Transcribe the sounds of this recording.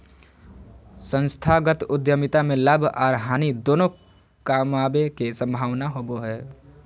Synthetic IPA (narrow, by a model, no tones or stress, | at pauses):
sə̃nst̪ʰaɡət̪ʊd̪jəmɪt̪amẽlabʱaːɾɦaːnid̪oːno | kaːmaːbekesə̃mbʱaːʋnaɦoːboɦɛː